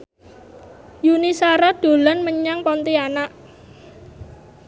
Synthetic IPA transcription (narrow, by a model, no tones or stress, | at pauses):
junisaɾad̪̥o̤lanməɲaŋpɔnt̪ianaʔ